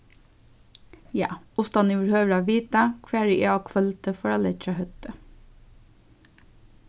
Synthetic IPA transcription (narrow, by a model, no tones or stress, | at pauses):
jɑːʊst̪ɑniːʋəɾhøːʋəɾɑːʋiːt̪ɑkʰʋeːɹiʔeːɑkʰfœlt̪əfɔɹɑlɛɑhœt̪ə